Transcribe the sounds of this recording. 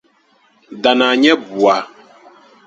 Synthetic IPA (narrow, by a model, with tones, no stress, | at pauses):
da˨na˨ɲɛ˦bu˨a˨